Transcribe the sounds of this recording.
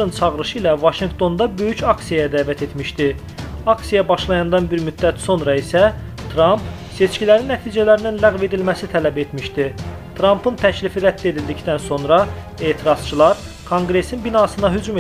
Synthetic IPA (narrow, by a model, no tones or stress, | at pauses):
ɯnt͡ʃʰɑʁɯɾɯʃɯilævɑʃiŋɡt̪ʰo̞nd̪ɑbø̞jycɑksijajæd̪æːvæt̪ʰe̞t̪miʃd̪i | ɑksijɑbɑʃlˠɑjɑnd̪ɑnbiɾmyd̪ːæt̪so̞nɾɑisæ | t̪ʰɾɑmp | se̞t͡ʃcʰilæɾinːæt̪ʰiːd͡ʒælæɾininlæɣve̞d̪ilmæsit̪ʰælæbe̞t̪miʃd̪i | t̪ʰɾɑmpʰɯnt̪ʰæclifiɾæd̪ːie̞d̪ild̪icd̪ænso̞nɾɑ | e̞ːt̪ʰiɾɑz̥t͡ʃʰilˠɑɾ | kʰoŋɡɾe̞sinbinɑsɯnɑɦyd͡ʒum